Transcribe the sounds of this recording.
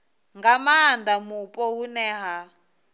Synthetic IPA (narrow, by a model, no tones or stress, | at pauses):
ŋɡamaːndamupʼɔɦunɛːɦa